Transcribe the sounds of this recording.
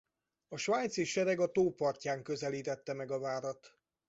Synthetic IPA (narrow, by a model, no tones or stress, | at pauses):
ɒʃvaːɲt̪seːʃʃɛɾɛɡɒt̪oːpɒrcaːŋkø̞zɛliːt̪ɛt̪ːɛmɛɡɒvaːɾɒt̪